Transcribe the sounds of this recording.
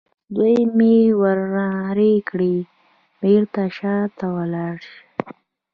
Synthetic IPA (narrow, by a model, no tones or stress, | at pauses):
d̪ujmewaɾːaɾekɽi | meɾt̪aʃɑt̪awəlɑɽʃ